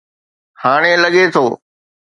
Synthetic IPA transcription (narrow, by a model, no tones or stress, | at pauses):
haːɽ̃eːləɠet̪ʰoː